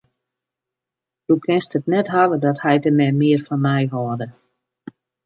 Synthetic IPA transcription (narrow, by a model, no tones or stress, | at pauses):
dukʰɪnstətnɛtɦalədɔthɛjtəmɛmɪərfɔnmɛjɦɔədə